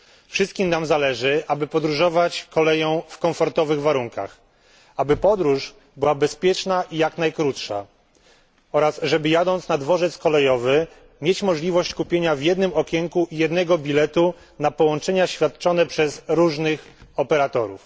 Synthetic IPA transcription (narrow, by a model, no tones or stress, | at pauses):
fʂɨst̪̚kʲimnamzalɛʐɘʔabɘpɔd̪ɾuʐɔvat͡ɕkɔlɛjɔ̃w̃fkɔɱfɔɾt̪ɔvɘɣvaɾuŋka̰x | abɘpɔd̪ɾuʂ | bɘwabɛspʲjɛt͡ʂnaʔijaknajkɾut̪ʂa̰ | ɔɾasʐɛbɘjad̪ɔnt̪snad̪vɔʐɛt̪skɔlɛjɔvɘ | mʲjet͡ɕmɔʐlʲivɔɕt͡ɕkupʲjeɲavjɛd̪nɘmɔkʲɛŋkuʔijɛd̪nɛɡɔbʲilɛt̪u | napɔwɔnt͡ʂɛɲaɕfʲjat̪̚t͡ʂɔnɛpʂɛzɾuʐnɘxɔpɛɾat̪ɔɾṵf